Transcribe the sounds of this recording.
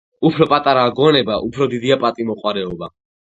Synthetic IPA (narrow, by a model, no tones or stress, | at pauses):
upʰɾɔpʼat̪ʼaɾaːɡɔnɛbaʔupʰɾɔd̪id̪iapʼat̪ʼimɔχʼwaɾɛɔba